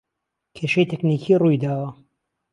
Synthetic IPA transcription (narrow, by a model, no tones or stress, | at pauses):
kʰeʃɐjt̪ʰeknikʰiːrujd̪aːwɐ